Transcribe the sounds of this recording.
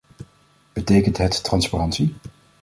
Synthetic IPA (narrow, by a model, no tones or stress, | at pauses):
b̥ətejkəntɦɛtːrɑnsparɑntsi